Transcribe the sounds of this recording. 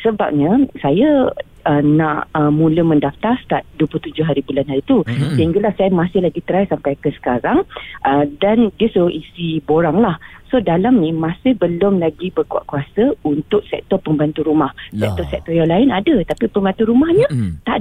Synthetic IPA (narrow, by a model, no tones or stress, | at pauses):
səbap̚ɲasaja | ənãʔəmũləmə̃ndaft̪arst̪aʔduəpluht̪ud͡ʒʊɦaɾibulanɦaɾit̪usəɦiŋɡalahsajamasɪhlaɡit̪əɾajsampajkəsə̥kaɾaŋʔədandiəsuʔisiboɾaŋlahsodalamnĩmãsɪhbəlʊmlaɡibərkua̰ʔkuasəunt̪ʊk̚sɛ̰k̚t̪ɔpəmbant̪uɾumahsɛʔ̚t̪ɔsɛk̚t̪ɔjaŋlaɪnadat̪apipəmbant̪uɾumahɲət̪a